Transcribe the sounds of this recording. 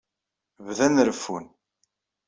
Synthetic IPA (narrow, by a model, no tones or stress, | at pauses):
vðænɾəfːun